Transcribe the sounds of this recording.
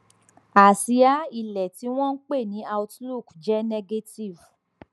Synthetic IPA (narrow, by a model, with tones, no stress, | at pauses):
a˨si˧a˨˦i˧˨lɛ˨ti˨˦w̃ɔ̃˦n̩˦k͡pe˦˨nĩ˨˦a˧wtlu˦˨kd͡ʒɛ˦nɛ˧ɡe˦ti˦˨v